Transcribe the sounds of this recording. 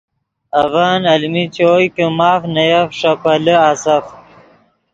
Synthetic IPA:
ɐvaːnɐlmit͡ɕoːjkemaːfnɐjɐfʂɐpɐləasɐf

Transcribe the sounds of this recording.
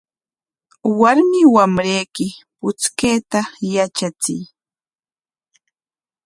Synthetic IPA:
waɾmɪwamɾejkɪpʊt͡skeːt̪ajat͡ʃat͡sɪ̰j

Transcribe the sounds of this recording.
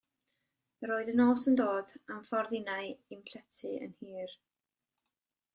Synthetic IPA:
ɾoːɨðənoːsəndoːdamfɔrðɪnaɨimɬɛtʰɨə̰nhiːr

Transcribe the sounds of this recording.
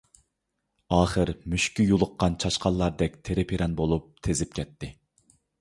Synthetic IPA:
ɑːχəɾmyʃkʲyjulˠəqːɑnt͡ʃʰɑʃqʰɑlˠːɑɾd̪ɛk̚ʲt̪ʰeɾɪpʰiɾɛnbolˠup̚t̪ʰezɪp̚kʲʰɛt̪ʰːɪ

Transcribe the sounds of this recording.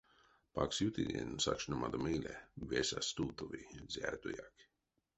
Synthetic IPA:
paksjut̪id̪ʲɛ̰nusakʃnamad̪ɔmilʲɛvɛsast̪uːt̪uvizʲæɾt̪ujak

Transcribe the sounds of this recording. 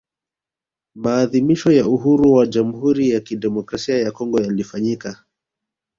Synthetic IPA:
maːðimiʃɔjauɦuɾuwad͡ʒam̩huɾijakiɗɛmɔkɾasiajakɔŋɡɔjalifaɲika

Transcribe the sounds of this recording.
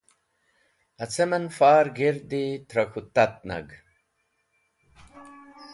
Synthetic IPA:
ɐt͡semɐnfaːɾɡiɾd̪it̪ɾɐkʰut̪ɐt̪̚nɐ̰ɡ

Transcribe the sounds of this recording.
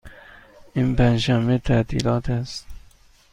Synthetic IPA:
inpænʃæmbet̪ʰæt̪ʰḭːlɒːt̪ʰæst̪

